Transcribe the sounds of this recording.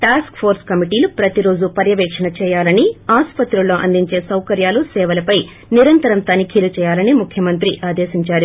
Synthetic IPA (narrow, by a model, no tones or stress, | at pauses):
ʈaːskpʰoːɾskɐmiʈiːlupɾɐt̪iɾo̞ːd͡ʒupɐɾjɐʋɛːkʂɐnɐt͡ʃɛːjaːlɐniaːspɐt̪ɾulo̞ːʔɐ̰nd̪iɲt͡ʃe̞ːsɐwkɐɾjaːlusɛːʋɐlɐpɐj | niɾɐnt̪ɐɾɐnt̪aːnikʰiːlut͡ʃɛːjaːlɐnimukʰjɐmɐnt̪ɾiʔaːd̪eːʃiɲt͡ʃaːɾu